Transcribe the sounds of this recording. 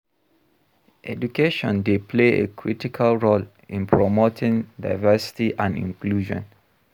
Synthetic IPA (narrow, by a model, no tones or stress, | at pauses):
ʔɛ̰dukeʃɔ̰̃ndepʰleḛkʰɹitikʰəlɹol | ĩnpʰɹɔmotʰĩŋda̰jvəsi̥tiʔãnḭ̃ŋkluʒɔ̰̃n